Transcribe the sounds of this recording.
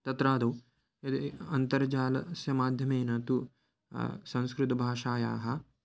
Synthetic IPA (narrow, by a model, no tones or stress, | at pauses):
t̪ɐt̪ɾaːd̪ɐw | ɐt̪ɐnt̪ɐɾd͡ʒaːlɐsjɐmaːd̪ʱjɐmeːnɐt̪u | sɐ̃ñskɾut̪ɐbʱaːʂaːja̰ːɦɐ̆